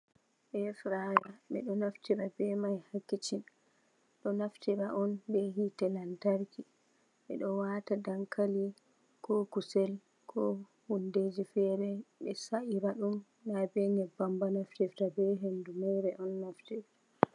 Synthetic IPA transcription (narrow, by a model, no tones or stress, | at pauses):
ʔɛfɾajaɓɛ̰ɗɔnaftiɾabɛmajhakːit͡ʃin | ɗɔnaftiɾaʔɔnbɛɦitɛlantaɾki | ɓɛ̰ɗɔwatadaŋkali | kɔkusɛl | kʰɔ | hunded͡ʒifɛɾɛɓɛsaʔiɾaɗumː | abɛɲɛbambanaftiftabɛɦendumɛɾɛʔɔnːaftiɾa